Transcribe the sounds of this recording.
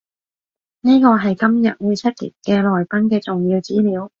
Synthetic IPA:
niː˥kɔː˧ɦɐ˨jkɐ˥mjɐ̰˨t̚wu˨˧jt͡sʰɐ˥t̚jḭ˨˩t̚kɛː˧lɔː˨jpɐ˥nkɛː˧t͡sʊ˨ŋjiː˧wt͡siː˥liː˨˥w

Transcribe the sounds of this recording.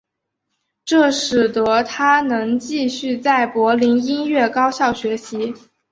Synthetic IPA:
ʈ͡ʂɤ˥˩ʂɻ̩˨˩t̪ɤ˧˥˦t̪ʰa˥nɤ˧˥ŋt͡ɕi˥˧ɕy˥˧t͡sa˥˩ɪpwɔ˧˥li˧˥ni˥nɥɛ˥˩kɑ˥ʊɕjɑ˥˩ʊɕɥɛ˧˥ɕi˧˥

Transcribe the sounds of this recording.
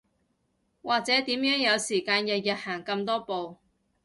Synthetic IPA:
waː˨k̚t͡sɛː˨˥t̪iː˨˥mjœː˨˥ŋjɐ˨˧wsiː˨˩kaː˧njɐ˨t̚jɐ˨t̚haː˨˩ŋkɐ˧mt̪ɔː˥po˨w

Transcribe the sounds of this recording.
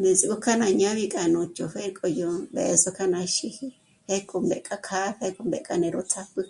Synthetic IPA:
nde˨t͡sʼi˨ku˦kʰa˦nã˧ɲã˦βi˧kʼa˨nũ˨t͡ʃo˨ɸe˦ɾkʼɔ˧jo˧mbɛ̰˨zo˦kʰa˦nã˧ʃi˧hi˦ | ɸe˦kʼu˧mbɛ˨kʼa˦kʰa˦ɸe˦kʼu˧˨mbɛ̰˨kʼa˦nɛ̃˨˧ɾo˦t͡sʰa˦pɨ˦

